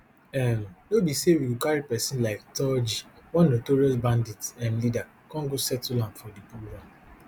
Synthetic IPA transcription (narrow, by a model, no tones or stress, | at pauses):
ɛmdobiseɾikaɹipɛsĩnlaɪk̚tɔd͡ʒiwɔ̃nːotoɹiɔsbãnditɛ̃mlida | kɔ̃ŋɡosɛtulãntfɔdipuwa